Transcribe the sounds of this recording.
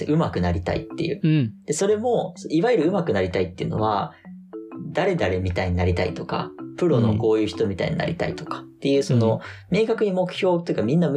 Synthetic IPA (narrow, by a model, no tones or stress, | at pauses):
ʔɯ̟makɯ̟naɾʲit̪a̰ḭt̪ːe̞̰jɯ̟̰ːd̪̥e̞so̞ɾe̞mo̞siβaiɾɯ̟ɯ̟makɯ̟naɾʲit̪ait̪ːe̞iɯ̟no̞̰βa | d̪̥aɾe̞d̪aɾe̞mʲit̪aiɲ̟inaɾʲit̪ait̪o̞ka̰pɯ̟ɾo̞no̞̰ko̞ːjɯ̟ːçi̥t̪o̞mʲit̪a̰ḭɲina̰ɾʲit̪a̰ḭt̪o̞̥kḁt̪ːe̞jɯ̟ːso̞no̞me̞ːkakɯ̟ɲ̟imo̞kɯ̟̥çʲo̞ːt̪ojiɯ̟kamʲĩnːam